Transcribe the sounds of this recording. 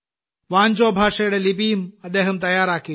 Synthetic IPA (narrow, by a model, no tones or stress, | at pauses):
ʋaːnʲt͡ʃoːbʱaːʂɐjɽɐlipiːmɐd̪eːɦɐmt̪ɐjaːɾaːki